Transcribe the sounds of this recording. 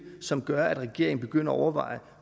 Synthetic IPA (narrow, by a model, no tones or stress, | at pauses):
sɒ̽mɡ̥ɶɐæd̥ʁɛɡ̥e̝ɐ̰eŋn̩b̥e̝ɡ̥øn̰ɐɒɒʊɐʋɑ̈ɪ̰